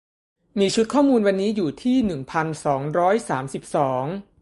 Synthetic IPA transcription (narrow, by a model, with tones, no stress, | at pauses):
miː˧t͡ɕʰu˦˥t̪̚kʰɔː˥˩muː˧nwa˧nːiː˦˥juː˨˩t̪ʰiː˥˩nɯ˨˩ŋpʰa˧nsɔː˩˦ŋɾɔː˦˥jsaː˩˦msi˨˩p̚sɔː˩˦ŋ